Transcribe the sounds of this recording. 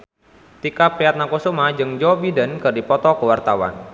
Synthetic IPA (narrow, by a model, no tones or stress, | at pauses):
t̪ikapiat̪̚nakusumad͡ʒɨŋd͡ʒɔbidənkɨrdipɔt̪ɔkəwart̪awa̰n